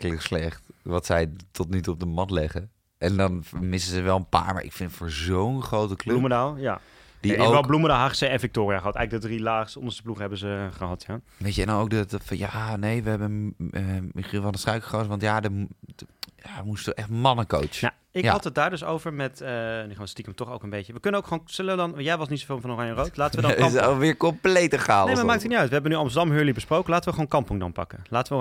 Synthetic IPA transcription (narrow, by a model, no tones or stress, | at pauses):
klɪkslɛχtʋɑtsɛjtʰɔtnytuɔb̚dəmɑtlɛχə | ʔɛndɑnmɪsəzəʋɛlˠə̃pa̰ːɹma̰ːɹʔɪ̰kfɪnətfʊːɹzownχrowtəklømədalja | d̥iɛoəɔlˠblumədaɦaχsəɛnvɪk̚toːɾiaːχəɦɑtɛjɣləɡ̚dədrilaːχstəɔnəsəpluχəɦɛbəzəχəɦɑtja | ʋejcəɛ̰ndɔnowkdədtfɑnjaːnejʋəɦɛbə | mɪχilˠʋɔəstrœɥkə̥χosəʋɑntjadə | jadəmustɔɛχtmɑnəko̰wt͡ʃja̰ | ɪɦɑtət̚daːɹdɵsowvəɹmɛtnyχstikəmtɔχowkənbejtəʋəkɵnənowkχoːnsɵləʋədɑnjɛʋɑsnitsovɪːlˠmfɑnorɑjərowtlaːtəʋədɔsoʋɪːɹkɔmplejtəχaːlnejmamaːktʰətnitœɥtʋəɦɛbənyɑmstəɹdɑmɦøːɹlibəsprowkənlaːtəʋəχʋoːwnkɑmpɔŋdɑ̰npɑ̰kəlaːtəʋə